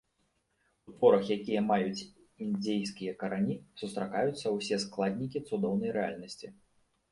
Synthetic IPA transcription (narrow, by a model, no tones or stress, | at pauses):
ut̪vɔɾɐxjakʲijɐmajut͡sʲ | ind͡zʲejskʲijɐkɐɾanʲisust̪ɾakajut̪sːɐwsʲɛsklˠad̪ʲnʲikʲit̪sud̪ɔwnɐjɾɛa̰lʲnɐsʲt͡sʲi